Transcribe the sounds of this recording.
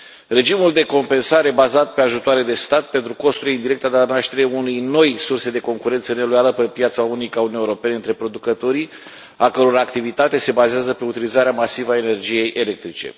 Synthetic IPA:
re̞d͡ʒimuld̪e̞ko̞mpe̞nsaɾe̞bazat̪̚pe̞aʒut̪oaɾed̪e̞st̪at̪̚pe̞nt̪ɾuko̞st̪uleind̪iɾe̞k̚t̪ad̪eanaʃt̪e̞ɾeunujno̞jsurse̞d̪e̞ko̞ŋkuɾe̞nt̪səne̞lojaləpepjat̪saunikaunieoɾo̞pe̞neɨnt̪ɾe̞pɾo̞d̪ukət̪o̞ɾi | akəɾo̞ɾaakt̪ivit̪at̪e̞se̞bazeazəpe̞ut̪ilizaɾeamasivae̞ne̞rd͡ʒije̞jʔe̞le̞k̚t̪ɾit͡ʃe̞̰

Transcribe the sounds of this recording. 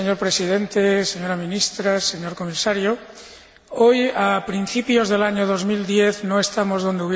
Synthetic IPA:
eɲoɾpɾesið̞ent̪eseɲoɾamĩnist̪ɾaseɲoɾkomisaɾjo | ojapɾin̟θipjozðelaɲoð̞ozmild̪jeθnõest̪amozð̞ond̪euβ

